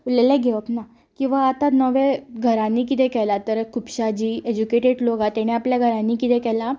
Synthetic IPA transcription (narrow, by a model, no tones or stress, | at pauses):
ulɛlɛɡʱɛʋəkna | kĩw̃ʋaːt̪anəʋeɡʱəɾãnik̬it̪ekɛlat̪əɾkʰupɕad͡ʑiːed͡ʑukeʈeɽloɡat̪ɛɽ̃eapljaɡʱəɾãnikit̪ɛkɛla